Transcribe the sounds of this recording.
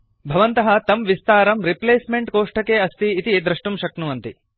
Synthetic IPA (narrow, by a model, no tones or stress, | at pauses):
bʱɐʋɐnt̪ɐɦɐ̆t̪ɐmʋist̪aːɾɐmɾipleːsmeɳʈkoːʂʈɐkeːɐst̪iːt̪id̪ɾɐʂʈumʃɐknuʋɐnt̪i